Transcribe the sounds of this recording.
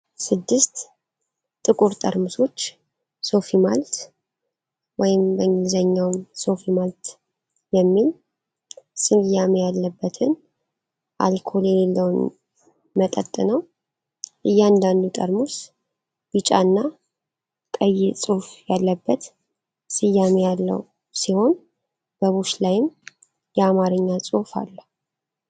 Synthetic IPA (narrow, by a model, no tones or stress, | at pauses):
sɨd̪ːɨst̪ | t̪ʼɨkʼuɾt̪ʼəɾmuso̞t͡ʃː | so̞fimalt̪ | wɔjɪmbəŋɡɨlzəɲːawmso̞fimalt̪ | jɛmːil | sʼɨɡjamejalːəbːət̪ʰɨn | ʔa̰lkʰo̞ljɛlelːəwn | mət̪ʼət̪ʼːɨnəw | ʔɨjːand̪and̪ut̪ʼə̰ɾmus | bɨt͡ʃʼa̰nːa | kʼəjːɛsʼuhfjalːəbːət̪ | sɨjːamejalːə̰w | siho̞n | b̥əβuʃlajɪm | jɛamaɾɨɲːasʼofa̰lːu